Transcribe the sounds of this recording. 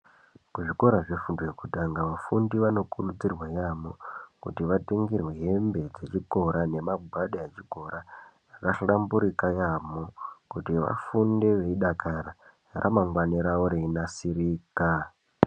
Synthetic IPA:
kuʐiko̞ɾaʐefundojekutaŋɡaʋafundiʋano̞kurud͡zirwajamokṵtiʋateŋɡirweɦe̞mbe̞d͡ze̞t͡ʃiko̞ɾane̞maɡʱwaɗaet͡ʃiko̞ɾarakaɬrambuɾikajamokutiʋa̰funde̞ʋe̞iɗakaɾa | rʔa̰maŋɡwaniɾauɾeinasiɾiːka

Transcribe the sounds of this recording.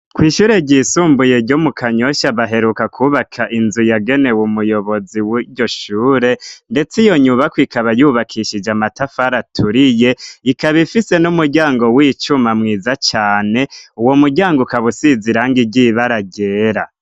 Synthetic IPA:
kwiːʃuːɾe̞ɟiːsuːmbuje̞ɾɟomukʰaɲo̞ʃaβaɦe̞ɾukakʰuβakʰaʔinzujaɡe̞ne̞wumujo̞βo̞ziwiɟo̞ʃuːɾe̞nde̞t͡sijo̞ɲuβakwikʰaβajuːβakʰiʃid͡ʒamatafaɾatʰuɾije̞ikaβifise̞numuɾɟaːŋɡo̞wiːt͡ʃumamŋiːzat͡ʃaːne̞uwo̞muɾɟaːŋɡokaβusiziɾaŋɡiɟiβaɾaɟe̞ːɾa

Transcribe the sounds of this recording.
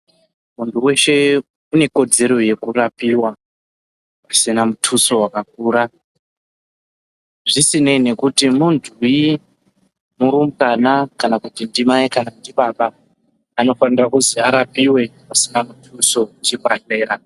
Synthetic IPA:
muntʰuwe̞ʃe̞ | une̞ko̞d͡ze̞ɾo̞je̞kurapiwa | asinamutʰuso̞wakak̚uːɾa | ʐisine̞ne̞kutimunduji | muɾumkanakanakutindimaikanandiɓaɓaː | no̞fanirakuziaɾapiwe̞ | asinamutʰuso̞ut͡ʃipaɬe̞ːɾa

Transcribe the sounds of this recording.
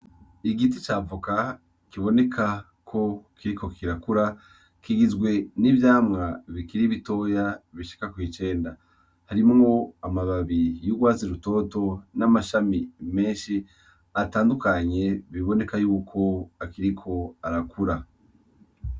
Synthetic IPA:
iɡitit͡ʃaːvuka | kiβo̞ne̞kʰa | kʰo̞kʰiɾiko̞kʰiɾakuɾa | kiɡizɡwe̞nivjaːmŋaβikiɾiβito̞ːjaβiʃi̥kakwiːt͡ʃe̞ːnda | haɾimŋo̞amaβaβijuɡwaːziɾuto̞ːto̞namaʃamime̞ːnʃi | ataːndukaɲe̞βiβo̞ne̞kajuːkʰo̞akiɾikʰo̞aɾakuɾa

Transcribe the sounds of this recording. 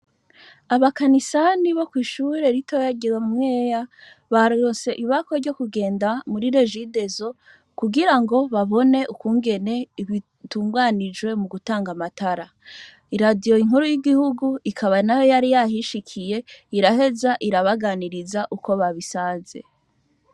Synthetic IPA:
aβakanisaniβo̞kwiːʃuɾe̞ɾitojaɟiɾammŋe̞ːja | βaɾɾose̞ʔiβako̞ɾɟo̞kuɡe̞ːndamuɾiɾe̞ʒide̞zo̞ | kuɡiɾaŋɡo̞βaβo̞ne̞ʔukuːŋɡe̞ne̞iβi | tuːŋɡwanid͡ʒwe̞muɡutaːŋɡamatʰaɾa | iɾadijo̞iŋuɾojiɡihuɡuikʰaβanajojaɾijahiʃikʰije̞iɾaɦe̞zaʔiɾaβaɡaniɾizaʔuko̞βaβisaze̞̰

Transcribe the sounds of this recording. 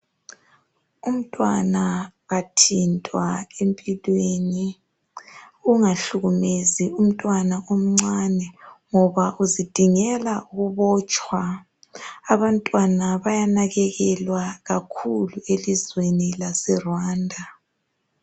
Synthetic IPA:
um̩tʼwanaɣatʰintʼwaempʼilweni | uŋaɬuɣumezium̩tʼwanaʔom̩ŋ͡ǀanɛŋɔβaʔuzid̥ʱiŋɛlauɣuβɔːt͡ʃʼwaː | βantʼwanaβajanaɣɛɣɛlwaɣakʰuluelizwenilasɛrwaːndʱa

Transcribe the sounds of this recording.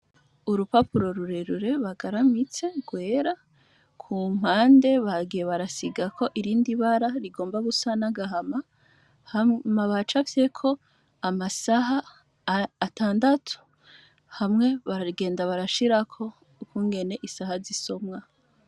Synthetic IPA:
uɾupapuɾo̞ɾuɾe̞ɾuɾe̞βaɡaɾamit͡se̞ɡwe̞ːɾa | kʰum̥haːnde̞βaɡije̞βaɾasiɡakʰo̞ʔiɾiːndiβaɾaɾiɡo̞ːmbaβusanaɡaɦama | hmaβat͡ʃafse̞kʰo̞ | amasaɦaː | taːndatʰu̥ | hamŋe̞βaɾaɡe̞ːndaβaɾaʃiɾakʰo̞ | ukuːŋɡe̞ne̞ʔisahaziso̞mŋa

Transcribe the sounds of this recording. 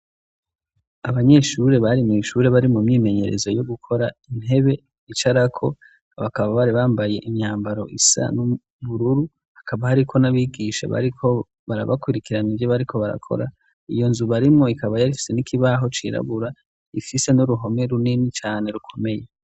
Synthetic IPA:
aβaɲe̞ʃuɾe̞βaɾimŋiːʃuɾe̞βaɾimumɲiːme̞ɲe̞ɾe̞zo̞jo̞ɡukʰo̞ɾain̥he̞βe̞ | it͡ʃaɾakʰo̞ | βakaβaβaɾiβaːmbaje̞ʔimɲaːmbaɾo̞ʔisa̰nu | βuɾuɾu | hakaβahaɾikʰo̞naβiːɡiʃḛβa̰ɾikʰo̞ | βaɾa̰βakuɾikiɾanivjoβaɾikʰo̞βaɾa̰kʰo̞̰ɾa̰ | ijo̞nzuβaɾimŋo̞ikʰaβajaɾifi̥se̞nikʰiβaɦo̞t͡ʃḭɾa̰βuɾa | ifise̞nuɾuɦo̞me̞ɾuninit͡ʃaːne̞ɾukʰo̞meje̞

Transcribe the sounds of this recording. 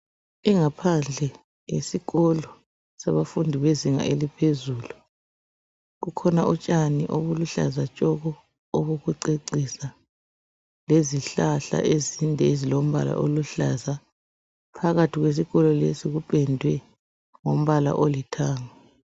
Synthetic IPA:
iŋapʰand͡ɮʱɛ | jesiɣɔlɔ | saβafundʱiβeziŋa̰ʔelipʰezuːlu | ɣukʰɔnaʔut͡ʃʼaniʔoβuluɬa̰zat͡ʃʼɔɣɔː | βoɣuǀeǀisa | leziɬaɬa̰ʔezindʱɛezilom̩βa̰la̰ʔoluɬaza | pʰaɣatʰiɣwes̬iɣɔlɔlḛsiɣupʼɛndʱwɛ | ŋom̩βala̰ʔolitʰaːŋa

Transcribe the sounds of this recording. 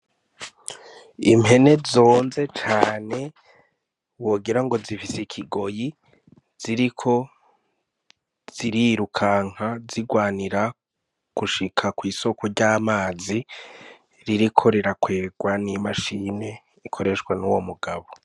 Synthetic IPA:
im̥he̞ne̞zo̞ːnze̞t͡ʃaːne̞ | wo̞ːɡiɾaŋɡo̞zifisekʰiɡo̞ji | z̥iɾikʰo̞ | z̥iɾiɾukʰaːŋ̥haziɡwaːniɾa | ɡ̥uʃikʰakwiːso̞koɾɟaːmaːzi | ɾiɾikʰo̞ɾiɾakwe̞ːɡwanimaʃiːne̞ | ikʰo̞ɾe̞ʃwanuwo̞muɡaβo

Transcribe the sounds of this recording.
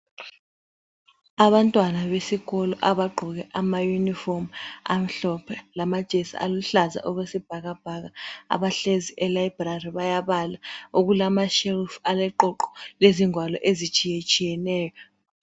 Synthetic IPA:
aβantʼwanaβesiɣɔlɔʔaβaɡ͡ǃʱɔɣɛʔamajunifɔma̰m̩ɬɔpʰɛlamad̥ʒ̥ʱesḭʔa̰luɬaza̰ʔɔɣwesib̥ʱaɣab̥ʱaɣaa̰βaɬeziʔɛlajibrariβajaβalauɣulamaʃɛlfualɛǃɔǃɔ̥leziŋwalɔʔezit͡ʃʼijet͡ʃʼijɛnɛːjɔ

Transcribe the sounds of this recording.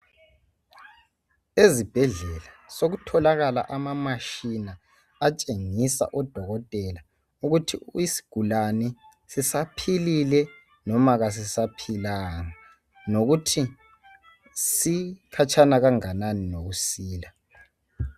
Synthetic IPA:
ezib̥ʱɛɮɛlasoɣutʰɔlaɣala̰ʔamamaʃina | at͡ʃʼeŋisa̰ʔɔd̥ʱɔɣɔtʼɛla | uɣutʰiisi̥ɡ̥ʱulanɛ | sisapʰililɛ | nɔmaɣas̬isapʰilaːŋa | noɣutʰi | sikʰat͡ʃʰanaɣaŋananinoɣusiːla

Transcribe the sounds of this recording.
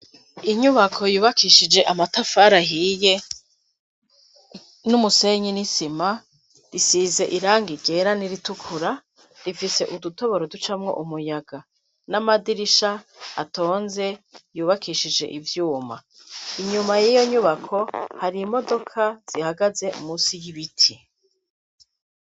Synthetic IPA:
iɲuβakʰo̞juːβakiʃid͡ʒe̞ʔamatafaɾaɦije̞ | numuse̞ɲinisima | ɾisize̞ʔiɾaːŋɡiɟe̞ɾaniɾitukʰuɾa | ɾifise̞ʔuduto̞βo̞ɾodut͡ʃamŋo̞̰ʔumujaɡa | namadiɾiʃaːto̞ːnze̞juːβakʰiʃid͡ʒe̞̰ʔivjuːma | iɲumajijo̞ɲuβakʰo̞haɾimo̞do̞kʰaz̥ihaɡaze̞ṵmusijiβitʰi

